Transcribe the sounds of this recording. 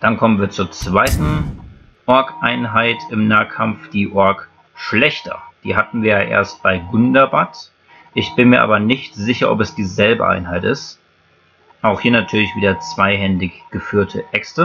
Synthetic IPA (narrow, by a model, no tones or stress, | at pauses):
d̥ankʰɔmənviːɐt͡suːɐt͡sv̥aɪtn̩ | ʔɔɐkʔaɪnɦaɪtʰɪmnaːkʰamfd̥iːʔɔɐk | ʃlɛçtʰɐ̰d̥ḭːɦatn̩viːɐjaːʔḛːɐst̚b̥aɪɡʊndɐbat | ʔɪçb̥ɪnmiːɐʔa̰ːbɐnɪçtz̥ɪçɐʔɔ̰pɛsd̥iːzɛlbə̰ʔa̰ɪnɦaɪtɪst | ʔaʊxhiːɐnatʰyːɐlɪçv̥iːdɐt͡sv̥aɪɦɛndɪçɡ̥əfyːɐtʰəʔɛkstə